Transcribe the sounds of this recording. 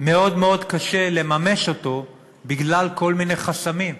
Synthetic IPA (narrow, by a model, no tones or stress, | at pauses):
me̞o̞dme̞o̞dkaʃe̞le̞mame̞ʃo̞to̞ | biɡlalko̞lmine̞χasamim